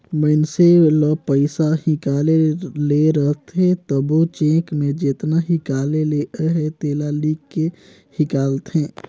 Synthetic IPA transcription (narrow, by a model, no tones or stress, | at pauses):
məɪnseləpəɪsahĩkaleleɾəɦt̪ɦẽt̪əbot͡ʃẽkmed͡ʒet̪naɦikaleleʔəɦɛt̪elalikːe | hikaːlt̪ɦẽ